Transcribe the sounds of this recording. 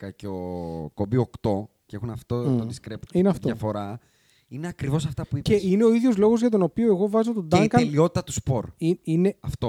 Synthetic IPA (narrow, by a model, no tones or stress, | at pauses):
kɐceokobiokt̪o̞ | ceexunɐft̪ot̪odiskɾept̪ineɐft̪oɐfo̞ɾɐ | ineɐkɾivo̞sɐft̪ɐpuiceine̞o̞iðʝo̞zlo̞ɣozʝɐt̪̬o̞no̞pioeɣo̞vɐzo̞t̪od̪ɐŋkɐelio̞t̪it̪ɐt̪u̥spoɾiineɐft̪o